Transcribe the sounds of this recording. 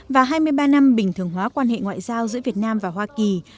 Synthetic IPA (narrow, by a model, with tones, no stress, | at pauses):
vaː˨˩ɦaː˧jmɨ˧əjɓaː˧na˧mɓï˨˩ŋ̟t̪ʰɨ˨˩əŋɦwaː˨˦kwaː˧nhḛ˧˨ŋwa̰ː˧˨jzaː˧wzɨ̰˧˥vi˨˩ət̚naː˧mvaː˨˩ɦwaː˧ki˨˩